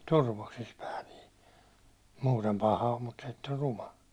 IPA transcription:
turʋoksis pæː niː muːtem pɑhɑ om mut se etː or rumɑ

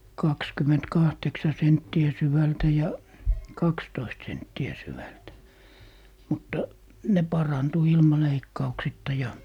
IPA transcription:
kɑkskymːentkɑhteksɑ sentːiæ syʋæltæ jɑ kɑkstoist sentːiæ syʋæltæ mutːɑ ne pɑrɑntu ilmɑ leikːɑuksitːɑ jɑ

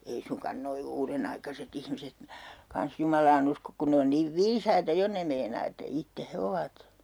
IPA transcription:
ei suŋkɑn noi uːrenɑikɑset ihmiset kɑns jumɑlɑːn uskok kun ne on niːʋ ʋiːsɑitɑ jo ne meinɑː etːæ itːe he oʋɑt

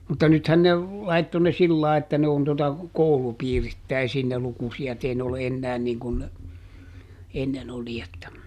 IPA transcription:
mutːɑ nythæn ne lɑitːo ne silːɑˑe etːæ ne on totɑ koulupiːritːæisiːn ne lukusiɑt ei ne ole enːæːn niːŋ kun ne enːen oli etːæ

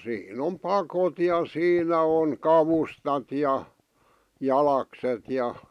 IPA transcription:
siːn om pɑkot jɑ siːnæ oŋ kɑʋustɑt jɑ jɑlɑkset jɑ

